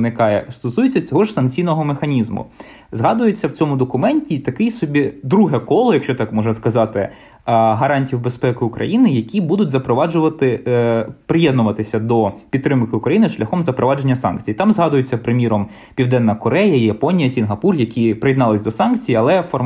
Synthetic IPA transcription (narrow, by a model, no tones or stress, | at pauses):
nɪkɑjɛ̰st̪ɔsujet͡sʲːɐt͡sʲɔɦɔʒsɐnk̚t͡sʲijnɔɦɔmexɐnʲizmʊ̰ | zɦɑd̪ʊjet͡sʲːɐwt͡sʲɔmʊd̪ɔkʊmɛnʲtʲit̪ɐkɪjsɔbʲid̪ɾuɦɛkɔlˠɔjɐkʃt͡ʃɔt̪ɑkmɔʒnɐskɐzɑt̪ɪ | ɦɐɾɑnʲtʲiwbespɛkɪʊkɾʔɐ̰jinɪjɐkʲibud̪ʊtʲzɐpɾɔʋɑd͡ʒʊʋɐt̪ɪ | pɾɪjɛd̪nʊʋɐt̪ɪsʲɐd̪ɔpʲit̪t̪ːɾɪmkɪʊkɾɐjinɪʃlʲɐxɔmzɐpɾɔʋɑd͡ʒe̞nʲːɐsɑ̰nk̚t͡sʲijit̪ɑmzɦɑd̪ʊjet͡sʲːɐpɾɪmʲiɾɔm | pʲiwd̪ɛnːɐkɔɾɛjɐijɐpɔnʲijɐsʲinɦɐpurjɐkʲipɾɪjid̪nɑlˠɪsʲd̪ɔsɑnkt͡sʲijiɐlˠɛfɔr